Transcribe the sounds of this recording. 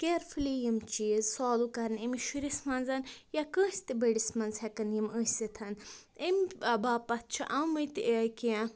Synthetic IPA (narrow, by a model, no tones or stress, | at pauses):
keɾfʰɨlijimt͡ʃiːzsɔːlukɐɾnemiʃuɾismɐnzɐnjakə̃ːsʲt̪ibɐɖismɐnzhekɐnjiməsit̪ʰɐn | emɐbaːpɐt̪̚t͡ʃʰḭʔɐwmɐjt̪iejke